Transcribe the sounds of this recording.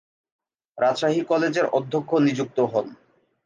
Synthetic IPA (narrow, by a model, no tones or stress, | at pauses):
ɾadʃaɦikɔled͡ʑeɾɔd̪ʱːokʰːonid͡ʑuk̚t̪oɦɔn